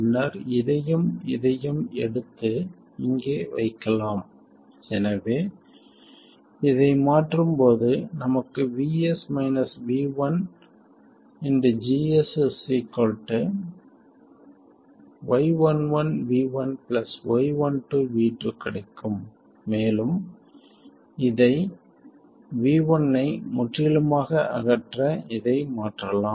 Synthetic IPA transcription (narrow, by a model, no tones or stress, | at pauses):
nːɐɾɪðɐjɯmɪ̰ðɐjɯmɛ̰ɽɯt̪ːɯ | ɪŋɡeːʋɐ̰ɪkːɐlaːm | ɛnɐʋeː | ɪðɐɪmaːʈrɯmpoːðɯnɐmɐkːɯʋiːɛsmɐɪnɐsʋiːʋɐn | ɪnd̪ɐd͡ʒiːɛsɛsikɔlʈːɐ | ʋɐɪʋɐnʋɐnʋiːʋɐnpɪlɐsʋɐɪʋɐnʈuʋiːʈrɯkɪɽɐɪkːɯmː | eːlɯm | ɪðɐɪ | ʋiːʋɐnːɐɪmʊʈːɪɐlɯmaːɣɐʔɐ̰ɣɐʈrɐɪðɐɪmaːʈrɐlaːm